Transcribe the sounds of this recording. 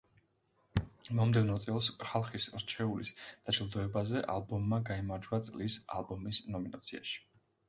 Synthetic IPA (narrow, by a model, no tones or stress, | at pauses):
mɔmd̪ɛvnɔt̪sʼɛlˠsχalˠχisɾt͡ʃʰɛulḭsd̪̥ad͡ʒlˠd̪ɔɛbazɛʔalˠbɔmːaɡaimaɾd͡ʒwat̪sʼlisa̰lˠbɔmisnɔminat̪sʰia̰ʃi̥